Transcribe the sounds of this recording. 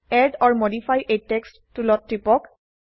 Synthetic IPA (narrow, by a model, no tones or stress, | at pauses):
ɛdɔɹmodipʰajʔejtekstːulɔtɹipɔk